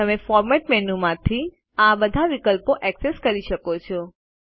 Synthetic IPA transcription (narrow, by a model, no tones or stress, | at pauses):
əmefɔɾmɛʈmɛnumãt̪ʰi | abəd̪ʱaʋikəlpoʔɛkseskəɾiʃəkot͡ʃʰɔ